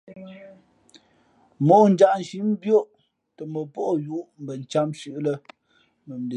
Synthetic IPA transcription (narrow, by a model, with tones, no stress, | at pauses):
mo˨˦˨n̩˦d͡ʒa˨ʔn̩˨ʃi˨˦m̩˦bjo˦˨ʔ | tə˨mə˨po˦ʔju˦ʔm̩˨bə˨n̩˨t͡ʃa˦mʃʉ˦ʔlə˦ | mə˨m̩˨de˨